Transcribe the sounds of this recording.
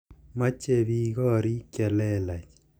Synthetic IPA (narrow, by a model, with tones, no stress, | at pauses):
ma˦t͡ʃe˦˨βi˦ɣɔ˦˨ɾi˦kjɛ˨lɛ˦la˨t͡ʃ